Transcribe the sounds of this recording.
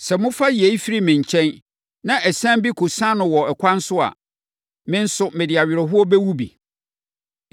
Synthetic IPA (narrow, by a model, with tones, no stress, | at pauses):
sɛ˨mʊ̃˦fa˦je˨i˦fi˦ɾi˦mɪ̃˨ɲ˨t͡ɕʰɛ̃˦n | nã˦ʔɛ˨sã˦bi˦kʰo˨sã˦nʊ̃˨wɔ˨ɛ˨kʰʷã˦n̩˦sʊ˦a̰˨ | mɪ̃˦n̩˦sʊ˦mɪ̃˨dɪ˨a˨ɥɪ˨ɾɛ˨ɦʊ˦ɔ˦bɛ˦wu˦bḭ˨